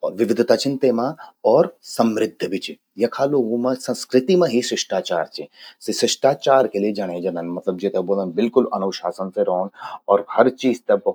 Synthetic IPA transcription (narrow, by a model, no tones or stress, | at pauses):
ɔːɾʋɪʋɪd̪ʱt̪at͡ʃɪ̃nt̪emãɔːɾsɐmɾɪd̪ʱːbʱit͡ʃi | jɐkʰaːloːɡõmɐ̃sɐ̃nskɾɪt̪imɐ̃ɦisɾɪʃʈaːt͡ʃaːɾt͡ʃissɪʃʈaːt͡ʃaːɾkelied͡ʒɐɽ̃ẽd͡ʒɐnənmɐt̪ləbd͡ʒeːt̪ɐboːlənbɪlkʊlɐnuʋʃaːsənseɾoːnɔːɾhɐɾt͡ʃiːzt̪ɐb